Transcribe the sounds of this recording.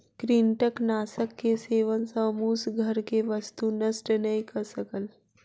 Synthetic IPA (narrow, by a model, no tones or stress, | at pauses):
kɾiːɳʈəknaːsəkːeseːʋənsə̃muːsɡʱɐɾkeʋəst̪unɐsʈnəikəɾsəkəl